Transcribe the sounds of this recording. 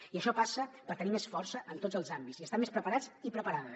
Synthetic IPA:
iəʃɔpasəpəɾt̪ənimesfɔɾsəʔənt̪ozəlˠzambit͡siəst̪amespɾəpəɾad͡zipɾəpəɾaðə

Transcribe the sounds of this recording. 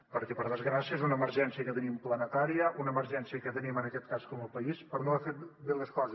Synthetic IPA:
pəɾkɛpəɾð̞əzɣɾasiəezunəməɾrʒɛnsiəkət̪ənimplˠənət̪aɾiəʔunəːməɾʒɛnsiəkət̪ənimənəkɛt̪̚kaskɔməlˠpəispəɾnoəfet̪̚belˠəskɔzə

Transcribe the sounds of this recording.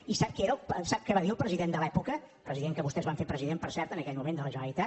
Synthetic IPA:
isap̚keɾəlˠpsap̚kɛβaðiəlˠpɾəziðend̪əlɛpukə | pɾəziðeŋkəβust̪ɛzβaɱfeɾpɾəziðempəɾsɛɾt̪ənəkɛʎmumẽnd̪ələʒənəlˠit̪a

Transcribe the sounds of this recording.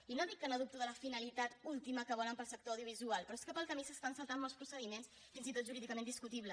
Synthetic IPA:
inod̪ikːanəðup̚t̪uðələfinəlit̪at̪ulˠt̪iməkəβɔləmpəlˠsək̚t̪oəwðjuβ̞izualˠpɾɔeskəpəlˠkəmisəst̪ansəlˠt̪anmɔlˠspɾusəðimens | finzit̪ot̪ʒuɾiðikəmend̪iskut̪iβlə

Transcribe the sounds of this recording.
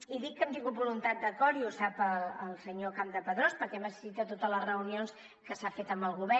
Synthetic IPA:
iðikːənt̪iŋɡut̪̚bulunt̪at̪̚d̪əkɔɾiusapələlˠsəɲokamd̪əpəðɾospəɾkɛməsə̥sit̪ət̪ot̪ələrəunions | kəsafet̪əmbəlˠɣuβɛ

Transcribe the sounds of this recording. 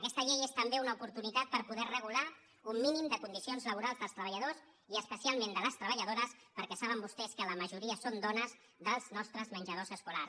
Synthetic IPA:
əkɛst̪əʎejest̪əmbeunəupuɾt̪unit̪at̪̚pəɾpuðɛrəɣ̞ula | umːinimd̪əkund̪isionzləβuɾalˠzðəlˠst̪ɾəβəʎəðos | iəspəsialˠmend̪ələst̪ɾəβəʎəðoɾəspəɾkɛsaβ̞əmbust̪ɛskələməʒuɾiəsond̪ɔnəz | ðəlˠznɔst̪ɾəzmənʲʒəð̞ozəskula̰rs

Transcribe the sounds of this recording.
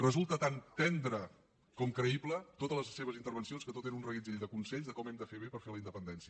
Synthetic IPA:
rəzulˠt̪ət̪ant̪ɛnd̪ɾə | kɔmkɾəiblət̪ot̪ələzseβ̞əzint̪əɾβ̞ənsionskət̪ot̪enunrəɣizeʎd̪əkunsɛʎzðəkɔmɛmd̪əfeβepəɾfeləind̪əpənd̪ɛnsiə

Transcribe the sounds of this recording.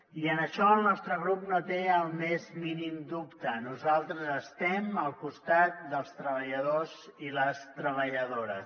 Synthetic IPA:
iənəʃɔəlˠnɔst̪ɾəɣ̞ɾup̚not̪eəlˠmezminimd̪upt̪ənuzalˠt̪ɾəzəst̪ɛməlˠkust̪at̪̚d̪əlˠst̪ɾəβ̞əʎəðoziləst̪ɾəβəʎəðoɾəs

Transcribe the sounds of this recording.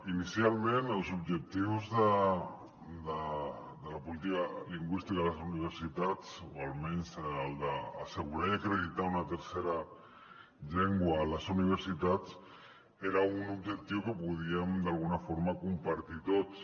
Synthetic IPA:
inisialme̞nawsoβʝe̞k̚t̪iβozda | d̪a | d̪alapolit̪ikaliŋɡwist̪ikalasouniβ̞eɾsit̪at̪oalmejnseald̪a̰ːse̞ɣuɾajakɾe̞ðit̪aonat̪eɾse̞ɾa | ʎe̞ŋɡualasouniβ̞eɾsit̪at̪ | eɾaɣunoβʝe̞k̚t̪iβokepuðiand̪alɣunafo̞ɾmakompaɾt̪it̪ot̪

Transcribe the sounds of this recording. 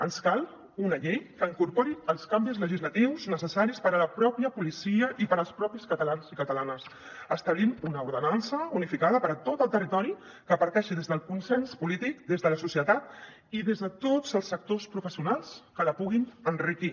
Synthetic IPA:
ənskalˠ | unəʎejkəiŋkuɾpoɾiəlˠskambizləʒizlət̪iwznəsəsaɾispəɾələpɾɔpjəpulisiəʔipəɾəlˠspɾɔpiskət̪əlanzikət̪əlanəs | əst̪əβlimunəuɾðənansəunifikaðəpəɾət̪ot̪əlˠt̪ərit̪ɔɾi | kəpəɾk̪ɛʃiðezðəlˠkunsɛnspulit̪ikd̪ezðələsusiət̪at̪ | iðezðət̪od͡zəlˠsːək̚t̪ospɾufəsiunalˠskələpuɣinənriki

